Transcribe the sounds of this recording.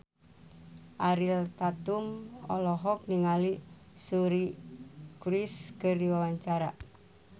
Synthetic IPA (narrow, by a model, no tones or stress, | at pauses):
ʔaɾilt̪at̪umɔ̰lɔɦɔk̚niŋali | suɾi | kɾiskəriwawaɲt͡ʃaɾaʔ